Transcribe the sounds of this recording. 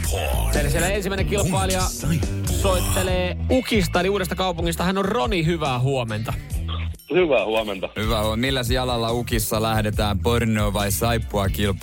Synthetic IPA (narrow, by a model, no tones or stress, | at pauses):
eilːæsielːæensimæˑineŋkilpɑiliɑ | soit̪ːeleːukist̪ɑeliuːdest̪ɑkɑupuŋːist̪ɑhænorronihyʋæːɦuoment̪ɑ | hyʋæˑhuɑment̪ɑhyʋæhmilːæsiɑlɑlːɑukisːɑlæhdet̪æːmpornoːʋɑisɑipːuɑkilp